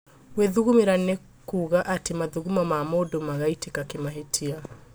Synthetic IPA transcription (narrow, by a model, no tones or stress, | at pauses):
weðuɣumeɾannɛ | kuɣaʔatemaðuɣumamamɔdɔmaɣaitekakemaɦetʰia